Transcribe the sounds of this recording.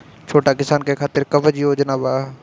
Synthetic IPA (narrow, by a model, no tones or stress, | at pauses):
t͡ʃʰoːʈakɪsaːnkekʰaːt̪ɪɾkɐbəd͡ʒiɦoːd͡ʒənaːbaː